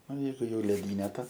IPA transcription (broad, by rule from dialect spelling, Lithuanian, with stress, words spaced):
ˈnʊ ˈjɛɪɡʊ jɛʊ lʲrʲɪˈdʲiːnʲɛ tɐ